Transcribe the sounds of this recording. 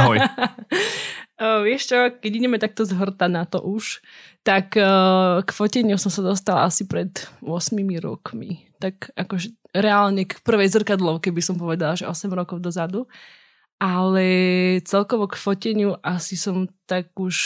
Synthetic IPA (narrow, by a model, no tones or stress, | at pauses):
ʋɪɛʃt͡ʃɔkɛɟidɛmɛt̪ak̚t̪ɔzɦr̩t̪anat̪ɔ̰ʔuʃt̪ak | kfɔcɛɲɪusɔmsad̪ɔst̪ala̰asipɾɛt̪ʊɔsmimiɾɔ̰kmḭt̪akakɔʒɛ | ɾɛalɲɛkpr̩ʋɛjzr̩kad̪lɔʊkɛbisɔmpɔʋɛd̪alaʒɛʔɔsɛmɾɔkɔʊd̪ɔzad̪u | ʔalɛt͡sɛlkɔʋɔkfɔcɛɲuʔasisɔmt̪akuʃ